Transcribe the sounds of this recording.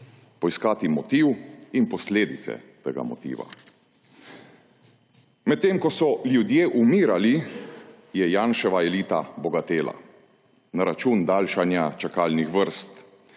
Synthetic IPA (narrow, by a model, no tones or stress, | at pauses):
pɔiskaːt̪imɔt̪iwinpɔsleːd̪it̪sɛ̰t̪ḛːɡa̰mɔ̰t̪ḭːʋa̰ | mɛt̪ːeːmkɔsɔljud̪jeːʔumiːɾali | jɛjaːnʃɛʋaɛliːt̪abɔɡat̪eːla̰ | naɾat͡ʃuːnd̪aːlʃanjat͡ʃakaːlnixʋəɾst̪